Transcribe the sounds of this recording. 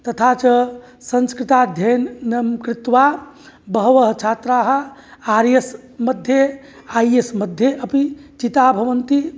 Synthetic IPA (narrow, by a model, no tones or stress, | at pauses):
t̪ət̪ʰat͡ʃə | sə̃nskɾit̪ad̪ʱjənnɐmkɾit̪ʋa | bəɦʋəɦt͡ʃʰat̪ɾaɦəaɾes | məd̪ʱje | aiesməd̪ʱjeʔəpit͡ʃit̪abʱɐʋənt̪i